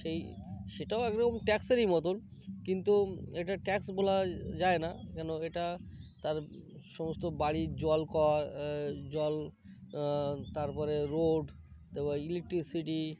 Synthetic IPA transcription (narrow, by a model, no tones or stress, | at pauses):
ʃej | ʃeʈaoɛkɾkomʈɛkseɾijmɔt̪onkint̪ueʈaʈɛksbolad͡ʑaenakɛnoeʈat̪aɾʃɔmost̪obaɽid͡ʑɔlkɔa | d͡ʑɔl | t̪aɾpɔɾeɾoɖ | t̪ebailek̚ʈɾisiʈi